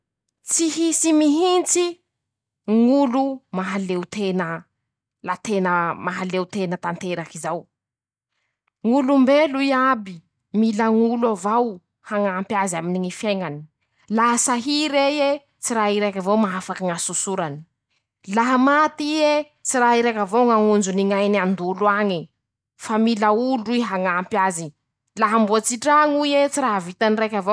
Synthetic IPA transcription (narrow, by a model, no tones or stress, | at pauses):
t͡siɦisimiɦint͡si | ŋulumaɦalewt̪enə | lat̪enəmaɦalewt̪enət̪ant̪eɾakizaw | ŋulumbeluiabi | milaŋuluavaw | haŋaːmpjazaminiŋifeŋani̥ | laɦasaɦiɾeje | t͡siɾaɦiɾekʲavowmaafakaŋasusuɾani̥ | laɦamat̪ie | t͡siɾaɦiɾekʲavowŋaŋund͡ʒuniŋajnand̪uluaŋi | familauluiɦaŋaːmpjazi | laɦambuat͡siʈ͡ʂaŋuiet͡siɾaɦavit̪anirekʲavo